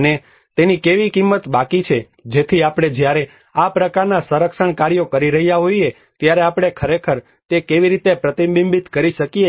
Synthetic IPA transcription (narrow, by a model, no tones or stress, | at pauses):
ne | t̪enikeʋikimːət̪bakit͡ʃʰe | d͡ʒet̪ʰiapɽ̃ed͡ʒjaɾe | apɾəkaɾnasəɾəkʃəɳkaɾjokəɾiɾəɦijaɦoie | t̪jaɾeapɽ̃ekʰəɾekʰəɾ | t̪ekeʋiɾit̪epɾət̪imbimbit̪kəɾiʃəkie